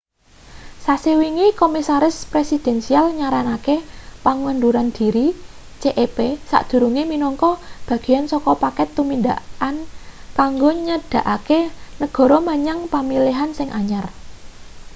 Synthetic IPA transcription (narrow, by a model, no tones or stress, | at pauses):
sasewiŋikomisaɾɪspɾesid̪̥ɛ̤nsialɲaɾanakepaŋwənduɾand̪̥i̤ɾi | t͡ʃeʔepesa̰ʔd̪̥ṳɾuŋeminɔŋkɔb̥ä̤ɡ̥i̤jansɔkɔpakɛt̪ːuminda̰ankaŋɡoɲəd̥ä̤ʔakenəɡ̥ɔ̤ɾɔmaɲaŋpamiliɦansɪŋʔaɲar